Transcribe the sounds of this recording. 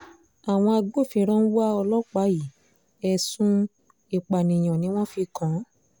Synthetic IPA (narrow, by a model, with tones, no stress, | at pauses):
a˨w̃ɔ̃˧a˧ɡ͡bo˦˨fi˧ɾ̃ã˦n̩˦wa˦ɔ˧lɔ˦k͡pa˨˦ji˨ | ɛ˧sũ˦ | i˨k͡pa˨nĩ˨j̃ɔ̃˨nĩ˦w̃ɔ̃˦fi˧kã˨˦